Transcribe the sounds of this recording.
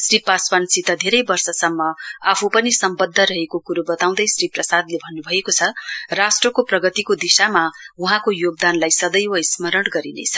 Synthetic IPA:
sripaswansit̪ʌd̪ʱeɾʌjbʌrsʌsʌmːʌapʰupʌnisʌmbʌd̪ʱːʌɾʌɦekokuɾubʌt̪aw̃d̪ʌjsriprʌsad̪lebʱʌnːubʱʌekot͡sʰʌrasʈrʌkoprʌɡʌt̪ikod̪isamauɦãkojoɡ̚d̪anlajsʌd̪ʌjwʌismʌɾʌɽɡʌɾinḛt͡sʰʌ̥

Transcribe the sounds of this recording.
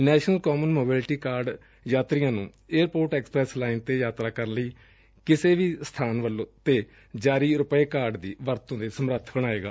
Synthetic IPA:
nɛːʃnəlkoːmənmoːbɪːlʈiːkaːɾɖ | jaːt̪ɾɪjãːnũː | eːɾpoːɾʈɛːksə̥pɾɛːslaːint̪eːjaːt̪ɾaːkəɾənləiː | kɪseːʋiːst̪ʰaːnʋəlːõːt̪eː | d͡ʒaːɾiːɾʊpeːkaːɾɖd̪iːʋəɾt̪õːd̪eːsəmɾət̪ʰbəɽ̃aːeːɡa̰ː

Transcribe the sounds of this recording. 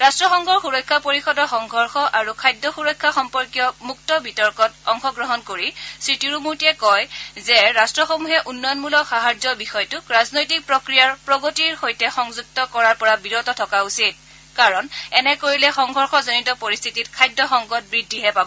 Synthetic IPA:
ɹastɹɔxɔŋɡʱɔɹxuɹɔjkʰːapoɹixɔdɔxɔŋɡʱɔɹxɔʔaɹukʰajdːɔxuɹɔjkʰːaxɔmpɔɹkijɔmuk̚tɔbitɔɹkɔtɔŋxɔɡɹɔɦɔnkoɹisɹitiɹumuɹtiɛkɔjzɛɹastɹɔxomuɦɛʔunːɔjɔnmulɔxaɦaɹzɔbixɔjtʊɹaznojtik̚pɹokɹijaɹpɹɔɡotiɹxojtɛxɔŋzuk̚tɔkɔɹaɹpɔɹabiɹɔtɔtʰɔkausit̚ | kaɹɔnɛnɛkoɹilɛxɔŋɡʱɔɹxɔzonitɔpoɹist̪ʰititkʰajdɔxɔŋɡɔt̚bɹidʱːiɦɛpabɔ

